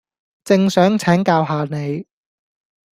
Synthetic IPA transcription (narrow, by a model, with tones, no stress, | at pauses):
t͡sɪ˨ŋsœː˨˥ŋt͡sʰɛː˨˥ŋkaː˧wɦaː˨˧ne˨˧j